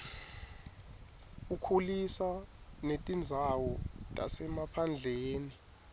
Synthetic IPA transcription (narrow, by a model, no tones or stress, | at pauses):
ukʰulisanetʼind͡zʱawɔtʼa̰sɛmapʰand͡ɮʱeːni